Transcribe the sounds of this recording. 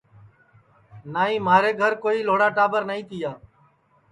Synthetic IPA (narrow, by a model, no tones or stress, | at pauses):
naːĩːmaːɾeːɡʱəɾkoːiːloːɽaːʈaːbəɾnəĩːt̪ɪjaː